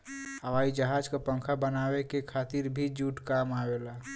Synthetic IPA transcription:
həʋaːid͡ʒəɦad͡ʒkapə̃ŋkʰabənawekekʰat̪iɾbʱid͡ʒuʈkamawela

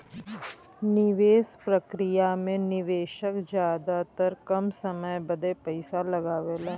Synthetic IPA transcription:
nɪʋeːspɾəkɾɪjamẽnɪʋeːʃəkd͡ʒjaːd̪at̪əɾkɐmsəməjbəd̪epəɪsalɐɡaːʋelaː

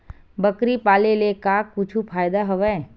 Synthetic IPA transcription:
bəkɾipaːlelekaːkut͡ʃʰupʰaːjd̪aɦɐʋɛ̃ː

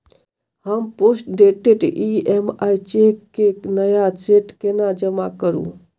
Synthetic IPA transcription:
ɦəmposʈɖeʈeʈiemajt͡ʃekenəjat͡ʃeʈkenad͡ʒəmakəɾṵ̃

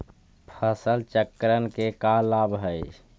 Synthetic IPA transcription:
pʰəsəlt͡ʃəkɾənkekalabɦəj

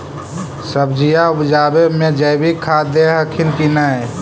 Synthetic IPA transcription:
səbd͡ʒijaʊbd͡ʒaːbemẽd͡ʒəbʱikʰaːd̪eɦəkʰɪnkinaɛ

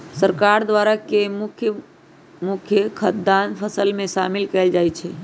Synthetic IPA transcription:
səɾkaɾd̪ʋaɾakemukʰjə | mukʰjəkʰət̪̚d̪anpʰəsəlmẽʃamilkəld͡ʒajt͡ʃʰɛ

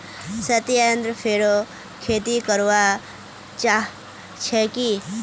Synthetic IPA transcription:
sət̪jənt̪ɾəpʰeɽo | kʰet̪ikəɾʋa | t͡ʃaː | t͡ʃʰeki

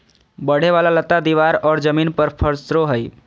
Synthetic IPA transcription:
bəɽ̤eʋalalət̪ːad̪iʋaɾɔːɾd͡ʒəmiːnpəɾpʰəɾsɾoɦəj

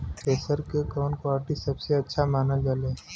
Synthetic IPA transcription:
peːsəɾkekɔːnkwaːɾʈisɐbseɐtːʃʰamaːnəld͡ʒalẽː

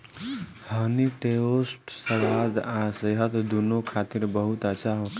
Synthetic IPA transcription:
həniʈeosʈsəʋad̪ãsəɦət̪d̪unokʰat̪iɾbəɦut̪at͡ʃaɦok

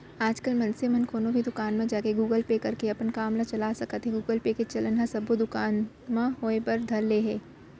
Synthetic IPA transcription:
aːd͡ʒkəlmɐ̃nsemɐnkʰoːnõbʱid̪ʊkaːnmẽd͡ʒaːkeɡuːɡəlpekɐɾkeɐpənkaːmlat͡ʃɐlasɐkət̪ɦɛ̃ɡuːɡəlpeket͡ʃɐlənɦɐsɐbod̪ʊkaːn | mãɦoːepɐɾd̪ʱɐɾleːɦeː

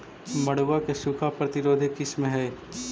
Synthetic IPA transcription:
mɐɽ̤uʋakesʊkʰapɾɐt̪ɪɾoːd̪ʱikɪsmẽɦɛ

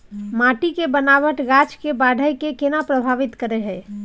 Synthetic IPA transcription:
maʈikebənaʋəʈɡat͡ʃkebaɖʱəjkekenapɾəbʱaʋɪt̪kəɾɛɦɛ

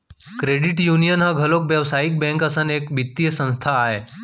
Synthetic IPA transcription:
kɾeɖiʈjunijənɦãɡʱəlokʋjəʋsaik̚bɛ̃ŋkəsəneːkbit̪ːijəsə̃ñst̪ʰaːɦe

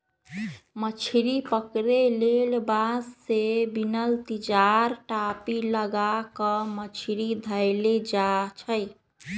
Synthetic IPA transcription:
mət͡ʃʰiɾipəkɾelelbassebinəlt̪id͡ʒaɾʈapiləɡakəmət͡ʃʰiɾid̪ʱəɪled͡ʒat͡ʃʰəj

